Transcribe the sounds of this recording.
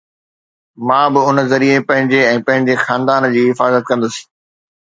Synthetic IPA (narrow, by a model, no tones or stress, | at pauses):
mãːbɪʊnzɐɾiepɐ̃ɦɪ̃ɲd͡ʑeɛ̃ːpɐ̃ɦɪ̃ɲd͡ʑexãːnd̪aːnd͡ʑiːɦɪfaːzət̪kɐ̃nd̪ʊsĩ̥ː